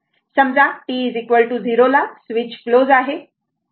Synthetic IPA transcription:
sɐmd͡zaʈizikʋəlʈuziːɾolasʋɪt͡ɕkloːzaːɦeː

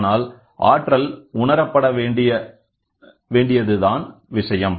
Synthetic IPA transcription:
naːl | ʔa̰ːʈrɐlʊɳɐɾɐpːɐɽɐʋeːɪjɐ | ʋeːɳɖɪjɐðɯðaːnʋɪʂɐjɐm

